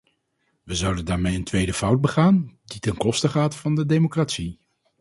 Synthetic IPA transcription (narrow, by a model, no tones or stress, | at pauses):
ʋəzʌwdəndaːɹmejəntʋejdəfʌwd̚bəχaːnditɛnkɔstəχaːtfɑndədejmokratsi